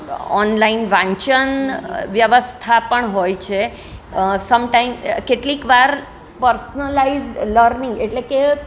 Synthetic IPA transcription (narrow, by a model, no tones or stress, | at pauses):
ɔ̰nlainʋãɲt͡ʃənʋjəʋəst̪ʰapəɳɦojt͡ʃʰe | səmʈajmkeʈlikʋaɾ | pəɾsnəlaizɖləɾnĩŋɡeʈleke